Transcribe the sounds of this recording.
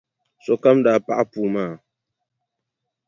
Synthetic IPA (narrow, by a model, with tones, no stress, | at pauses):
sɔ˨ka˦mda˨pa̰˦ʔa˦pu˨maː˦˨